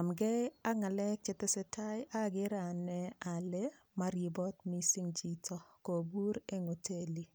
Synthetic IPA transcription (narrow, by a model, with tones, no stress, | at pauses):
a˨mɡɛ˦a˦ŋa˨lɛ˦k̚t͡ʃɪ˨tɛ˦sɛ˦tʰa˦jʔa˦ɡɪ˦ɾa˨nɛ˦a˨le˦ | ma˦ɾi˨bɔ˦tmi˦si˦ŋd͡ʒi˦tʰɔ˦ko˨bu˦ɾe˦ŋo˨tʰe˦li˨